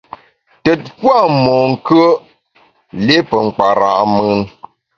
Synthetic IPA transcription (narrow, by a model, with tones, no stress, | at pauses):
tə˨t̚kwa˦˨mɔ˨ŋ̩˨kə˦ | le˦pə˨ŋ͡m̩˨k͡pa˨ɾa̰˨ʔmə˦nŋ